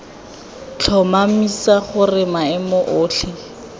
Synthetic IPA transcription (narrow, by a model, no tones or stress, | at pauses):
t͡ɬʰɔmamisaχʊrɪmaɪmʊʔʊːɬʰɪ